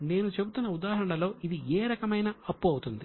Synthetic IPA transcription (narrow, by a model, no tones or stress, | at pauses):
ne̞ːnut͡ʃe̞but̪unːɐud̪aːɦɐɾɐɳɐlo̞ːʔid̪ieːɾɐkɐmɐjnɐɐpːuɐwut̪und̪i